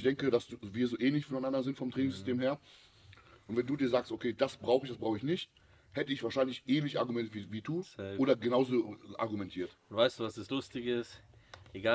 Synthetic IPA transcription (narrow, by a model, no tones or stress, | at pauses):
çd̥ɛŋkədasviːɐzoːʔɛːnlɪçfɔnaɪnandɐzɪntfɔmtʁ̥ɛːnɪŋsz̥ʏstʰeːmheːɐ | ʔʊntv̥ɛnduːdiːɐzaːkstʔokʰeːd̥asb̥ʁaʊxəɪç̥asb̥ʁaʊxəɪçnɪçt̚ | hɛtəɪçv̥aːʃaɪnlɪçʔɛːnlɪçʔa̰ɐɡumɛntviːviːduːoːdɐɡənaʊzoːʔa̰ɐɡumɛntʰiːɐtʊntv̥aɪsd̥uːvasd̥aslʊstɪçɪst | eɡaː